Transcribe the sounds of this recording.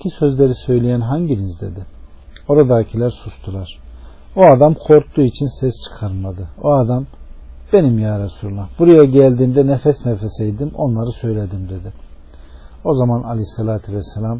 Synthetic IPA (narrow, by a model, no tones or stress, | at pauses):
cʰisø̞zlʲe̞ɾisø̞jlʲejænɦaɲɟiɾizd̪e̞̰d̪ɪo̞ɾad̪aːcʰilʲæɾsust̪ʰulˠaɾ̥ | oad̪amkʰo̞ɾt̪ːuit͡ʃʰinsɛst͡ʃʰɯ̥kʰaɾmad̪ɯoad̪am | be̞nimjaːɾasuɾlˠabuɾajaɟælʲd̪iːmd̪ɛnefɛsnefesejd̪imo̞̰nlˠaɾɯsø̞jlʲed̪imd̪e̞d̪ɪ | o̞zamanalʲisalʲaːt̪ʰivɛsːelʲam